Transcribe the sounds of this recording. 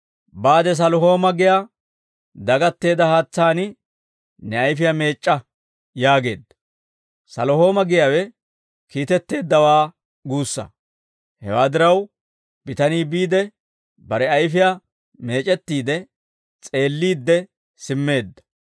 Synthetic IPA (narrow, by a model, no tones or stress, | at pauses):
baːd̪ɛs̬ɐlɔɦo̞ːmɐɡɪja | d̪ɐɡɐt̪ːe̞ːd̪ɐhaːt͡sːaːnɪ | nɛɐjfɪjame̞ːt͡ʃʼːɐ | jaːɡe̞̰ːd̪ːɐ̥ | sɐlɔɦo̞ːmɐɡɪjawɛ | kiːt̪ɛt̪ːe̞ːd̪ːɐwaː | ɡuːsːɐ̰ | hɛ̰waːd̪ɪɾɐw | b̥ɪt̪ɐniːbiːd̪ɛ | bɐɾɛɐjfɪja | me̞ːt͡ʃʼɛt̪ːiːd̪ɛ | t͡sʼe̞ːlːiːd̪ːɛ | sɪmːe̞ːd̪ːɐ̥